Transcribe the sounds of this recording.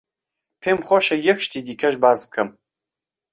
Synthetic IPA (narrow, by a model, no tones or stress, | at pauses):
pʰemχʷɔʃɐjɪxʃtʰiɡʲikʰɐʒbaːzp̚kʰɐm